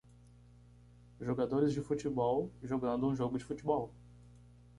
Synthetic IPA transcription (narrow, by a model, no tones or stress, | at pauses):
ʒoɡad̪oɾɪzd͡ʒɪfut͡ʃibɔwʒoɡɐ̃nd̪ʊũʒoɡʊd͡ʒɪfut͡ʃɪbɔw